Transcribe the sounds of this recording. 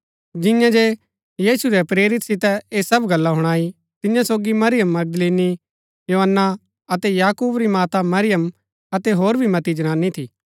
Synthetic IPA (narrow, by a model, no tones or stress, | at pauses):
d͡ʒɪ̃jãd͡ʒe | jiːsuɾɛpɾeːɾɪt̪sɪt̪ɛeːsɐbɡɐlːaɦʊɽ̃aːi | t̪ɪjãsoːɡimɐɾɪjəmːɐɡ̚d̪leːni | joːɦənːa | ɐt̪ɛjaːkuːbɾimaːt̪amɐɾɪjəm | ɐt̪eɦoːɾbʱimɐt̪id͡ʒɐɽ̃ãːnːit̪ʰiː